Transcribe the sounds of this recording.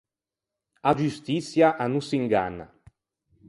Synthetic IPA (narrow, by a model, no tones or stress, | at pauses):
ad͡ʒyst̪isjaʔanusiŋɡa̰nːa̰